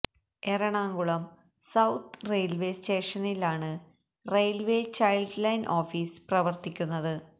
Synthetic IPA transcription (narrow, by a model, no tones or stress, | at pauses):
eɾɐɳaːŋɡuɭɐm | sɐwt̪rejlʋe̞ste̞ːʂɐnilaːɳɨ | rejlʋeːt͡ɕɐjlɖlɐjnʔo̞ːfiːsprɐʋɐrt̪ikʲːunːɐðɨ